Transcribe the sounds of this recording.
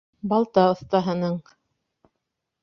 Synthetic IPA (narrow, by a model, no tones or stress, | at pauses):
bɑlˠt̪ɑŏθt̪ɑɦɤ̆nɤɴ